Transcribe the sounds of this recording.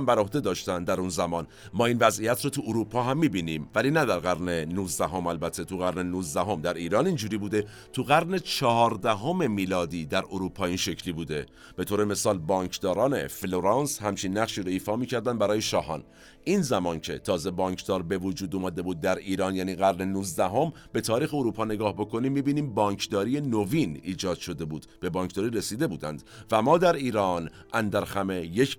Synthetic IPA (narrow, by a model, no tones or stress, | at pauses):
mbæɾohd̪e̞d̪ɒːʃt̪ænd̪æɾunzæmɒːn | mɒːinvæzijæt̪ɾɔːt̪ʰuʔoɾupʰɒːɦæmːiːbiːniːmvæliːnæd̪æɾɣæɾnenuːzd̪æɦo̞mælbæt̪ʰːe̞t̪ʰuɣæɾne̞nuːzd̪æɦo̞md̪æɾiːɾɒːnind͡ʒuːɾiːbuːd̪e̞ | t̪ʰuɣæɾne̞t͡ʃʰɒɦɒːɾd̪æɦo̞me̞miːlɒːd̪iːd̪æɾʔoɾuːpʰɒːinʃe̞cʰliːbuːd̪e̞ | b̥e̞t̪ʰoːɾe̞me̞sɒːlbɒːɲcʰd̪ɒːɾɒːne̞̰floɾɑnshæmt͡ʃʰinːæɣʃiːɾoiːfɒːmiːcʰæɾd̪ænd̪bæɾɒːjeʃɒːɦɒ̰ːn | ʔinzæmɒːncʰe̞̰t̪ʰɒːze̞bɒːɲcʰd̪̥ɒːɾbe̞vod͡ʒuːd̪omæːd̪e̞buːd̪̚ːæɾiːɾɒːnjæːniːɣæɾne̞nuːzd̪æɦo̞m | b̥e̞t̪ʰɒːɾiːxeoɾuːpʰɒːne̞ɡɒːhbo̞kʰo̞niːmːiːbiːniːmbɒːɲkʰd̪ɒːɾije̞noviniːd͡ʒɒːd̪̥ʃo̞d̪e̞buːd̪̥b̥e̞bɒːɲkʰd̪ɒːɾiːɾe̞siːd̪e̞buːd̪æ̰nd̪væmɒːd̪æɾiːɾɒːn | ʔænd̪æɾxæme̞jecʰ